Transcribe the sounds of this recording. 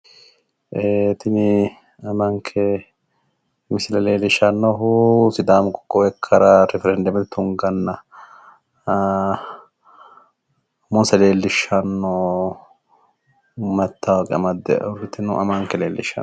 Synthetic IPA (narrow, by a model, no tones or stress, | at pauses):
ʔet̪ɪnɪ | ɐmɐŋkʰɛ | mɪsɪlɐleːlːɪʃɐnːɔɦusɪd̪aːmkɔ̥kːɔwɛkʰːɐɾɐɾɛfɛɾɛnd̪ɐmɛt̪ɛt̪ʊŋɡɐnːɐ | mʊnsɐle̞ːlːɪʃːɐnːɔ | mɐt̪ːɐwɡɛɐmɐd̪ɛ̰ʔɔɾɪt̪ːɪnʊʔɐmɐŋkːɛleːlːɪ̰ʃɐ̰